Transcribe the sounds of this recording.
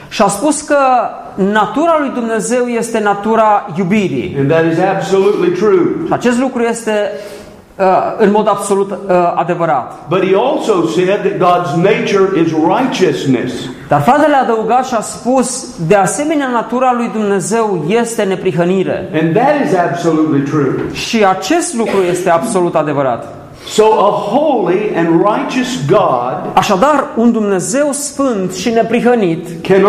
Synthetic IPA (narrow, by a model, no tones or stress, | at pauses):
ʃiaspuskə | nat̪uɾalujd̪umne̞ze̞wje̞st̪e̞nat̪uɾajubiɾḭɨ̃nðɨɾɨzæb̥səlutˡlitʰɹ̥uat͡ʃe̞s̬t̪lukɾuje̞st̪e̞ | əɨnmo̞d̪abso̞lut̪ad̪e̞vəɾat̪b̥ʌt̚hiɔlˠsoʊsɛd̪̚ðɨt̚ɡɑdzneɪt͡ʃə˞ʔɪzɹaɪt͡ʃɨsnɨ̰sd̪̥arfɾat̪e̞lead̪əuɡat̪ʃiaspus | d̪e̞ase̞me̞neanat̪uɾalujd̪umne̞ze̞wje̞st̪e̞ne̞pɾiɦəniɾe̞̰ɨ̃nðɨɾɪzæb̥səlutˡlitʰɹ̥ʉʃiat͡ʃe̞st̪lukɾuje̞st̪e̞abso̞lut̪ad̪e̞vəɾa̰t̪ | soʊʔəhoʊlˠiɨ̃nɹaɪt͡ʃɨsɡɑdaʃad̪arund̪umne̞ze̞wsfɨnt̪ʃine̞pɾiɦənit̪ | kʰɛn